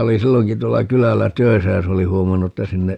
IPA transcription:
oli silːoŋki tuolːɑ kylælːæ tøi̯sæ jɑ se oli huomɑnːu tːæ sinːe

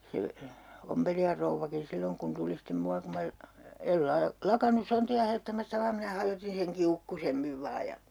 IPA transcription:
se ompelijɑr rouʋːɑkin silːoŋ kun tuli stem muɑ kum mæ el lɑː lɑkɑnus sontiɑ hɑjotːɑmɑstɑ ʋɑːm minæ hɑjotin seŋ kiukːusemːiʋ ʋɑː jɑ

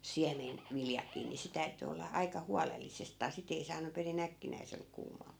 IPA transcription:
ʋiljɑkiː ni se tæyty olːɑ ɑikɑ huɑlelːisestɑː sit ei sɑːnu perin ækːinæisel kuːmɑː

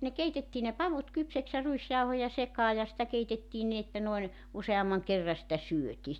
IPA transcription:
ne keitetːiː ne pɑʋut kypsæks jɑ ruisjɑuhojɑ sekɑː jɑ sĭtæ keitetːiːn nin etːæ noin useɑmːɑŋ kerːɑ sĭtæ syøtiː

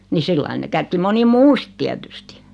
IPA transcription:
ni silːɑi ne kætki moni muː sĭt tiætysti

